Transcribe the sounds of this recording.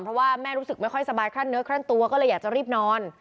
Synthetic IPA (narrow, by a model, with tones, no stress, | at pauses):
pʰɾɔ˦˥waː˥˩mɛː˥˩ɾuː˦˥sɯ˨˩k̚ma˥˩jkʰɔ˥˩jsa˧baː˧jkʰɾaː˥˩nːɯ˦˥kʰɾa˥˩ŋt̪u˧ɐkɔː˥˩lɤː˧jaː˨˩t͡ɕa˨˩ɾiː˥˩p̚nɔː˧n